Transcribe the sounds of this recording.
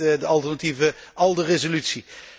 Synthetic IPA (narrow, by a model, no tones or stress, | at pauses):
dəɑlˠtɛrnativəʔɑlˠdərezolytsi